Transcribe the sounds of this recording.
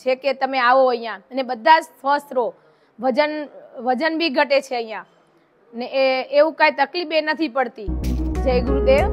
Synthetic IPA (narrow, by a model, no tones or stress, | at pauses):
t͡ʃʰeket̪əmeaʋoəɦjãənebəd̪ʱːad͡ʒsʋəst̪ɾo | ʋəd͡ʒənʋəd͡ʒənbʱiɡʱəʈet͡ʃʰeəɦjã | neːʋũkajt̪əklibenət̪ʰipəɽt̪id͡ʒəjɡɾud̪eʋ